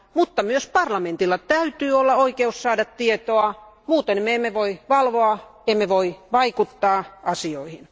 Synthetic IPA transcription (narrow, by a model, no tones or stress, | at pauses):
mut̪ːɑmyøspɑrlɑment̪ilːɑt̪æyt̪yːolːɑoikeussɑːdɑt̪t̪iet̪oɑ | muːt̪enmeemːeʋoiʋɑlʋoɑemːeʋoiʋɑikut̪ːɑːʔɑsioihin